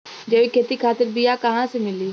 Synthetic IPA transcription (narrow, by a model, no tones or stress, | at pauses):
d͡ʒeːʋikʰeːt̪iːkʰaːt̪əɾbijaːkəɦãːsemɪliː